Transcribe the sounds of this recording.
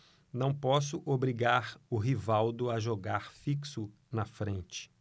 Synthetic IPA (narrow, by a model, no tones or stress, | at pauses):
nɐ̃w̃pɔsʊʔobɾiɡaɾʊɦivawd̪ʊaʒoɡaɾfiksʊ | nɐfɾẽnt͡ʃɪ̥